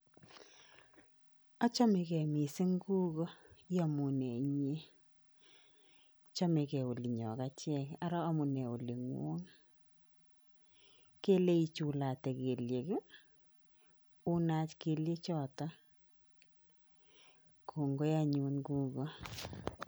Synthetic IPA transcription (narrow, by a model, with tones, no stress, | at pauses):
a˦t͡ʃɔ˦me˨kɛ˨mi˨sɪ˦ŋɡuː˦ɣɔ˦ja˨mu˨nɛ˨˦ɲe˦ | t͡ʃɔ˦me˨kɛ˨o˨li˨ɲɔ̰˨ka˦t͡ʃjɛ˦˨ka˦ɾɔ˦a˦mu˨nɛ˨o˨li˨ŋwo̰˦ŋ | ke˦le˦i˦t͡ʃu˨la˨tɛ˨ke˨lje˨k | u˦na˦t͡ʃke˨lje˦t͡ʃɔ˦˨ta˦ | kʰo˨ŋɡo˦ja˦ɲuː˧nkuː˦ɣɔ˦